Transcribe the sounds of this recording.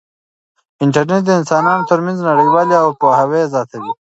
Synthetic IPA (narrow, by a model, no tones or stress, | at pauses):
ɪɳʈaɾneʈ̚d̪əɪnsɑːnɑːnot̪əɾmanznaɽiɡwaleawpohawezɑːt̪ʰawi